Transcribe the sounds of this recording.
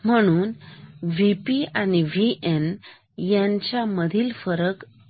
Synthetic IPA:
m̤əɽ̃uːnʋipianiʋiʔen | jãɲt͡ɕaməd̪ʱiːlfəɾək

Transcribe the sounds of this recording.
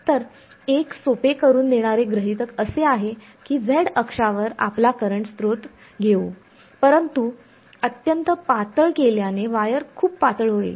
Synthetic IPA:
t̪əɾ | eksopekəɾuːnd̪eɽ̃aɾeɡɾəɦit̪əkəseaɦe | kiːd͡zeɽəkʂaʋəɾa̰plakəɾəɳst̪ɾot̪ | ɡʱeu | pəɾənt̪u | ət̪jənt̪əpat̪əɭkeljaneʋajəɾkʰuːppat̪əɭɦoḛ

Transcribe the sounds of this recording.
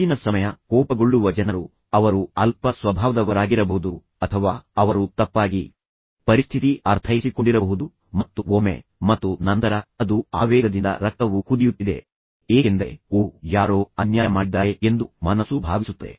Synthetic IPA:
inɐsɐmɐjɐkɔːpɐɡoɭːuʋɐd͡ʒɐnɐɾu | ɐʋɐɾuɐlpɐsʋɐbʱaːʋɐd̪ɐʋɐɾaːɡiɾɐbɐɦud̪u | ɐt̪ʰɐʋaːɐʋɐɾut̪ɐpːaːɡi | pɐɾist̪ʰit̪iʔɐɾt̪ʰɐjisiko̞ɳɖiɾɐbɐɦud̪u | mɐt̪ːuomḛmɐt̪ːunɐnt̪ɐɾɐɐd̪uaːʋɛːɡɐd̪ind̪ɐ̰ɾɐk̚t̪ɐʋukud̪ijut̪ːid̪e̞̰ | eːɡend̪e̞̰uːjaːɾoːɐnjaːjɐmaːɽid̪aːjeend̪umɐnɐsubʱa̰ːʋisut̪ːḛ

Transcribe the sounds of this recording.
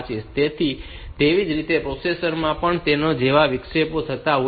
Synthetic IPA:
t͡ʃʰet̪et̪ʰi | t̪eʋid͡ʒɾit̪epɾosesəɾmãpəɳt̪enod͡ʒeʋaʋɪkʂepot̪ʰət̪au

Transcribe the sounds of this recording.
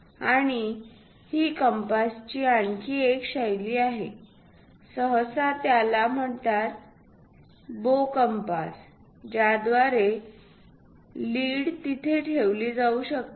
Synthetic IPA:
aɽ̃i | hikəmpast͡ɕiːaɳkʰiːekɕajliːaɦe | səɦsat̪jalam̤əɳt̪at̪̚ | bokəmpas | d͡ʑjad̪ʋaɾe | liːɽt̪it̪ʰeʈʰeʋliːd͡zauɕək̚t̪

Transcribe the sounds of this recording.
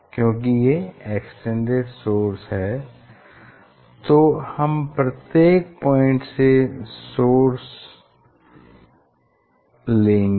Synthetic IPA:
kjõːk̬ijeeːksʈẽɳɖeɾsoːɾsɦɛː | t̪oːhɐmpɾɐt̪jeːk̚pɔ̃ːɪ̃ɳʈsesoːɾs | lẽːŋɡ

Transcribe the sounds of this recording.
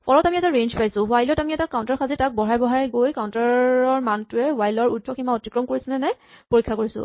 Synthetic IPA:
pʰɔlɔtamiɛtaɹend͡ʒpajsʊ̃ɦwajlɔtamiɛtakaʊ̃ntaɹkʰazitak̚bɔɹajbɔɦajɡojkaʊntaɔɹmantʊɛwajlɔɹudʱɔximaotikɹɔmkoɹisɛnɛnɛj | poɹikʰːakoɹisʊ̰̃

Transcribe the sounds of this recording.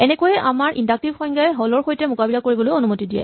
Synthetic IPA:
ɛnɛkojɛʔamaɹʔindak̚tibxɔjŋɡajɛɦɔlɔɹxojtɛmʊkabilakoɹibɔlojonumotidijɛ̰

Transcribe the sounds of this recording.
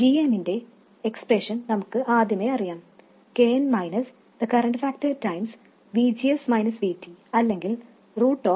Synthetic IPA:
ɡiːeminde̞ | ekspreʂɐnnɐmukːɨʔaːd̪ʱjɐme̞ɐrijaːm | keːɐnmɐjnɐs | d̪̥ɐkɐɾɐɳɖfæːktɐtːɐjms | ʋiːd͡ʑiɐsmɐjnɐsʋiːtːiɐlːe̞ŋɡil | ruːʈːoː

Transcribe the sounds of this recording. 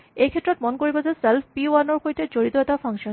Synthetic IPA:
ejkʰet̪ːɾot̪̚monkoɹibod͡ʑeselfʰpianoɾkojt̪ed͡ʑoɹit̪oɛt̪afʰaŋʃɔ

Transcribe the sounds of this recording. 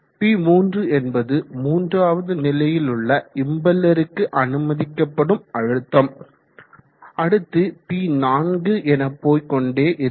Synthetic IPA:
piːmuːndrɯɛnbɐðɯmuːndraːʋɐðɯnɪlɐjɪlɯɭːɐɪmbɐlːɐɾɯkːɯʔɐnɯmɐðɪkːɐpːɐɽɯmɐɻɯt̪ːɐm | ɐɽɯt̪ːɯpiːnaːnɡɯʔɛnɐpːoːjkɔɳɖeːʔɪɾ

